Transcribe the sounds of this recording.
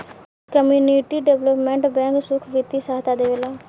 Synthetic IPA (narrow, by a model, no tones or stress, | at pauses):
kəmjuːniʈiːɖɛʋləpmɛ̃ɳʈbɛ̃ːŋksʊkʰʋɪt̪ːiːsaːɦt̪aːd̪eːʋelaː